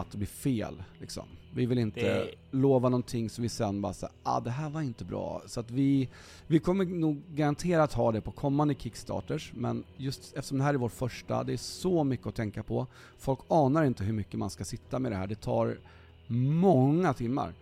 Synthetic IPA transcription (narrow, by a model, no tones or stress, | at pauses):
at̪̚ɛbliːfeːllɪksɔ̰mvɪvɪlɪnt̪ə̰loːvanɔnt̪ʰɪŋːsɔvɪsɛnːbɑːɾasa̰a̰d̪ɛɦæːɾvaɾɪnt̪əbɾɑ̰ːsɔat̪vɪ | vɪkʰɔmːəɾnuːɡːaɾant̪ʰeːɾaːt̪hɑːd̪ɛpʰɔkʰɔmːand̪əkʰɪkst̪ʰɑ̰ːʈəʂmɛ̰njɵst̪ɛft̪əʂɔmd̪ɛɦæːɾɛæɾvoːʈfœʂʈa̰d̪ɛæsɔmʏkːəɔt̪ʰɛŋkapʰɔ | fɔlkːɑːnaɾɪnt̪əɦɵɾmʏkːəma̰nskasɪt̪ːamɛd̪ɛɦæ̰ːɖɛt̪ʰɑ̰ːɾ | mɔŋːat̪ʰɪmːa̰ɾ